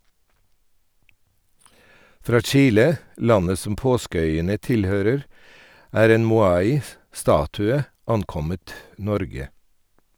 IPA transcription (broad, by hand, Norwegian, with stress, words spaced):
ˈfɾɑː ˈt͡ʃiːlə ˈlɑnə ˈsɔm ˈpoːskəˌœʏənə ˈtɪlˌhøːɾəɾ ˈæːɾ ˈeːn mʊˈɑːɪ ˈstɑːtʉə ˈɑnˌkɔmət ˈnɔɾɡə